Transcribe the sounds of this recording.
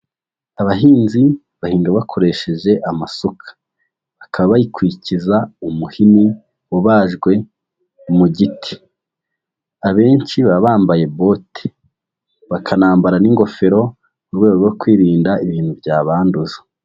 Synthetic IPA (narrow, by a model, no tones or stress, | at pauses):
aβaɦiːnzi | βahiːŋɡaβakʰo̞ɾe̞ʃe̞ʒe̞ʔamasokʰḁ | βakʰaβaβajikwuicizaumuhini | woβaːʒɡwe̞ | muɟitʰi̥ | aβe̞ːɲt͡ʃiβaβaːmbaje̞bo̞ːte̥ | βakʰanaːmbaɾaniŋɡo̞fe̞ɾo̞ | muɾweːɡoɡokwiːɾiːndaiβiːnhubɟaːβaːnduzḁ